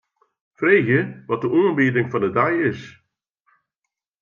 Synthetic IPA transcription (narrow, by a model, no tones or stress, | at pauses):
frejxjəʋɑt̚əʔoːənbeːdɪŋvɑndədajɪs